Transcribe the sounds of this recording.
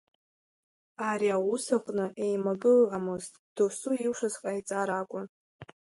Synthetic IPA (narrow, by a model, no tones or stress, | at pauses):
aɾiawʊsaχʷʼnɨʔejmaɡɨlʕamɨztʼd̥osuiwʂazqʼajt͡sʼaɾakʷʼʊn